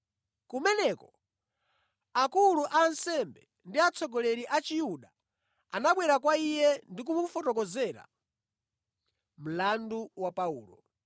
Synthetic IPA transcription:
kumɛnɛkɔ | akuluʔaːnsɛmbɛ | ndiat͡sʰɔɡɔlɛɾiʔat͡ʃijuɗa | anaɓwɛɾakwaijɛndik̬umufɔtɔk̬ɔzɛɾa̰ | m̩landuwapaṵːlɔ̰

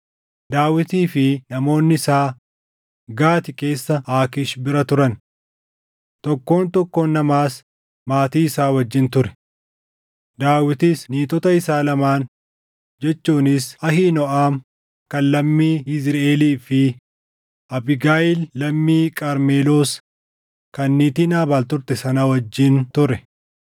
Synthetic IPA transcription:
d̪aːwɪt̪iːfɪnɐmo̞ːnːɪɪsaː | ɡaːt̪ɪke̞ːsːɐaːkɪʃbɪɾɐt̪ʊɾɐn | t̪ɔkːo̞ːnt̪ɔkːonːɐmaːs | maːt̪iːɪsaːwɐd͡ʒːɪnt̪ʊɾɛ̥ | d̪aːwɪt̪isniːt̪ɔt̪ɐɪsaːlɐmaːn | d͡ʒɛt͡ʃːuːnɪsɐhiːnɔʔaːm | kɐnlɐmːiːɪsɾeːliːfɪ | ʔɐbɪɡaːʔɪlːɐmːiːkʼɐɾmeːloːs | kɐnːiːt̪inaːbaːlt̪ʊɾt̪ɛsɐnɐwɐd͡ʒːɪnt̪ʊɾɛ

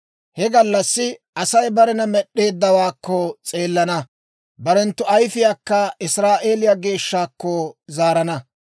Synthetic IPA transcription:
hɛɡɐlːɐsːɪʔɐsɐjbɐɾɛnɐmɛɗːe̞ːd̪ːɐwaːkːɔt͡sʼe̞ːlːɐnɐ | bɐɾɛnt̪ːʊɐjfɪjaːkːɐɪsɾaːʔe̞ːlɪjaɡe̞ːʃːaːkːɔzaːɾɐnɐ

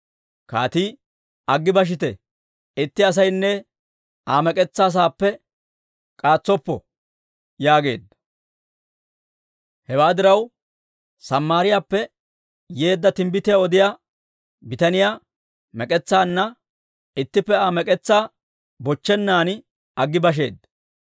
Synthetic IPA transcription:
ka̰ːt̪iː | ɐɡːɪbɐʃ̬ɪt̪̬ɛ̰ | ɪt̪ːɪɐs̬ɐjnːɛ | aːmɛkʼɛt͡sːaːs̬aːpːɛ | kʼaːt͡sːɔpːɔ̰ | jaːɡe̞̰ːd̪ːɐ | hɛwaːd̪ɪɾɐw | sɐmːaːɾɪjaːpːɛ | je̞ːd̪ːɐt̪ɪmbɪt̪ɪjaɔd̪ɪjaː | bɪt̪ɐnɪjaː | mɛkʼɛt͡sːaːnːɐ | ɪt̪ːɪpːɛaːmɛkʼɛt͡sːaː | bɔt͡ʃːɛnːaːnɪ | ɐɡːɪbɐʃ̬e̞̰ːd̪ɐ

